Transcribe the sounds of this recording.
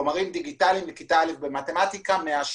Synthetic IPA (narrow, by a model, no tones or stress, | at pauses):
omaʁimd̪iɡitalimlikit̪alimbemat̪emat̪ikameaʃ